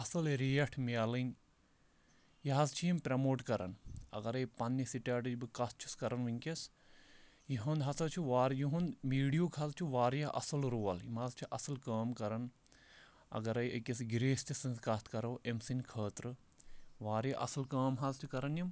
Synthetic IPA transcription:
ɐsɐlɾijɐʈʰmiaːlɨnʲ | jiɦɐzt͡ʃʰijimpʲɾɐmoːʈkɐɾɐ̰nɐ̰ɡɐɾɐjpɐnːisiʈʲaːʈɨd͡ʒbɨkɐs̚t͡ʃʰu̥skɐɾɐnʋiŋʲkes | jiɦɐnd̪ɦɐsɐt͡ʃʰuʋaːɾjiɦɐ̃nd̪miːɽijuːkʰɐzt͡ʃʰuʋaːɾjaʔɐ̰sɨlɾuːɐlimaːzt͡ʃʰiʔɐsɨlkəːmkɐɾɐn | ɐ̰ɡɐɾɐjʔɐkʲes̬ɡiɾeːst͡ʃʰisɐnzkɐst̪ʰkɐɾɐwʔemsinkʰəːt̪ɾɨ | ʋaːɾjaʔɐ̰sɨlkəːmɦɐzt͡ʃʰikɐɾɐnjim

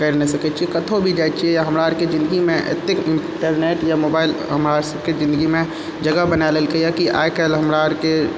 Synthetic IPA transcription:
kəɾnesəkɛt͡ʃʰiekət̪ʰobʱid͡ʒajt͡ʃʰiɛjaɦəmɾaəɾked͡ʒɪ̃nd̪əɡimẽʔḛt̪ːɪkɪ̃ɳ | ʈəɾneːʈjamoːbaːɪlɦəmɾaɾsəb̚ked͡ʒɪ̃nd̪əɡimẽ | d͡ʒəɡabənalelkəjakiʔa̰ːekɛlɦəmɾaəɾke

